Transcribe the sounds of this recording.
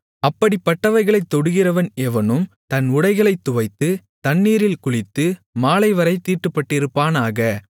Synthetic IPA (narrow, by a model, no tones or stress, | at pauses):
ɐpːɐɽipːɐʈːɐʋɐɪɣɐɭɐɪt̪ːɔɽɯɣɪrɐʋɐnɛʋɐnɯmt̪ɐnʊɽɐɪɣɐɭɐɪt̪ːʊʋɐɪt̪ːɯ | t̪ɐnːiːɾɪlkʊɭɪt̪ːɯmaːlɐɪʋɐɾɐɪt̪iːʈːɯpːɐʈːɪɾɯpːaːnaːɣɐ